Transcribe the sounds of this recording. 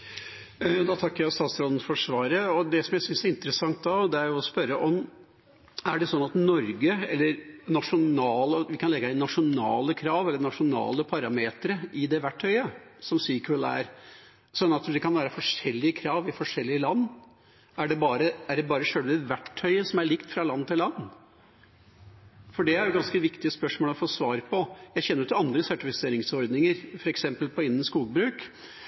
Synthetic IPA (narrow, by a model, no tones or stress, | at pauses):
d̪ɑt̪ʰɑkːəjæɪɔst̪ɑːt̪sɾɔd̪n̩fɔʂʋɑːɾəɔd̪ɛsɔmjæɪsʏnsæɾɪnt̪əɾəsɑŋt̪̚d̪ɑd̪ɛæɾjʊɔspœɾːəʔɔm | æɖɛsɔnːɑt̪nɔɾɡəɛlːəɾnɑʂʊnɑːlɔʋɪkʰɑnlɛɡːəæɪnɑʂʊnɑːləkʰɾɑːʋɛlːəɳɑʂʊnɑ̰ːləpʰɑɾɑmeːt̪ɾəʔɪd̪ɛʋæʈʰːœʏəsɔmsiːkəlæ̰ɾ | sɔɑt̪d̪ɛkɑnʋæːɾəfɔʂɛlːɪəkʰɾɑːʋɪfɔʂɛlːɪəlɑnː | æɖɛbɑːɾəæɖɛbɑːɾəʂøːɽʋɪʋæʈʰːœʏəsɔmæɭɪkt̪fɾɑlɑnːt̪ɪlɑnː | fɔɖɛæɾjʊɡɑnskəʋɪkt̪ɪəspœʂmoːləɔfɔt̪sʋɑːɾpʰɔjæɪçɛnːəɾʉt̪ɑnd̪ɾəsæʈɪfɪseːɾɪŋsɔɾd̪nɪŋəɾfɔɾɛksɛmpəlpʰɔɪnːən̩skuːɡbɾʉːk